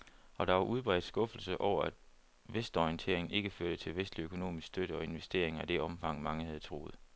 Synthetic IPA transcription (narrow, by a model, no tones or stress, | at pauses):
ɒ̽ɾ̥ɑ̈ʋɑ̈ʔuð̞ˠb̥ʁɛ̰d̥sɡ̥ɔ̽fl̩səʔɒʊ̰ɐæd̥ | ʋesd̥ɒiənt͡sʰe̝ɐ̰eŋn̩e̝ɡ̥əføɐ̰ɾ̥ət͡sʰe̝lʋesd̥liøkʰo̝no̝̰ːmisɡ̥sd̥øɾ̥əɒ̽e̝nʋesd̥e̝̰ɐe̝ŋæd̥e̝ɒ̽mfɑ̈ŋ̰mɑ̈ŋəhæð̞̩ˠt͡sʰʁo̝̰ːð̩ˠ